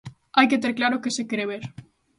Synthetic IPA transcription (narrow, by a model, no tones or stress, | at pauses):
ajket̪̬eɾklaɾʊkesekeɾeβeɾ